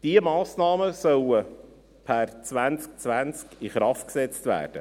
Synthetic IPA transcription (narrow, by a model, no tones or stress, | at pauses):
d̥iəmɑːsnɑːməsœwə | pʰært͡sʋænt͡sk̚t͡sʋænt͡skɪχɾɑftksɛt͡st̪væ̰ːrd̥ə̰